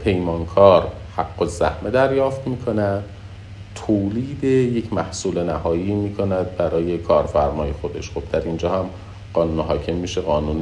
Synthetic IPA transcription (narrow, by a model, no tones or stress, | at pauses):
pʰe̞jmɒːnkʰɒːɾ | hæɡːozæhmed̪æɾjɒːft̪miːkʰo̞næd̪̥ | t̪ʰoːliːd̪ejecʰmæhsuːlenæhɒːjiːmiːkʰo̞næd̪̚bæɾɒːje̞kʰɒːɾfæɾmɒːje̞xo̞d̪e̞ʃxob̥̚d̪æɾind͡ʒɒːhæm | ɢ̥ɒːnuːnɦɒːcʰe̞mːiːʃeɣɒːnuːn